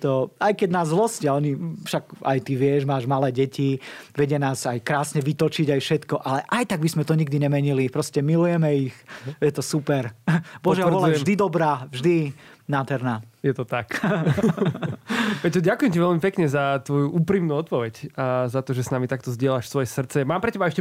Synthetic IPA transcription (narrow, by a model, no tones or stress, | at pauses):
t̪ɔajkɛɟnaːzzlɔscɪaɔɲifʃaɡa̰jt̪iʋɪɛʒmaːʒmalɛːɟɛciʋɛɟɪɛnaːzajkɾaːsɲɛʋit̪ɔt͡ʃiɟajfʃɛt̪kɔʔalɛʔajt̪aɡ̚bismɛt̪ɔɲiɡ̚d̪iɲɛmɛɲilipɾɔscɛmilujɛmɛixjɛt̪ɔsupɛɾbɔʒɛɔlavʒd̪id̪ɔbɾaːvʒd̪inaːd̪ɦɛɾnaːjɛt̪ɔt̪ak | ʋɛcɔɟakujɛmciʋɛlmipɛkɲɛzat̪ʋɔjuʔuːpɾimnuːɔt̪pɔʋɛcazat̪ɔʒɛsnamit̪akt̪ɔzɟɪɛlaʃsʋɔjɛsr̩t̪t͡sɛmaːmpɾɛcɛbaɛʃcɛ